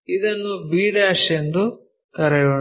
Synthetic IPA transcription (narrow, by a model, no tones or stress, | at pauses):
id̪ɐnːubiːɽaːʂend̪u | kɐɾɛjoː